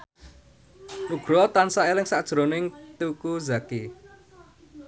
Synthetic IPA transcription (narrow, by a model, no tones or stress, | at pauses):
ʔuɡ̥ɾɔt̪ansaelɪŋsad̥ʒ̥ɾonɪŋt̪ukuzake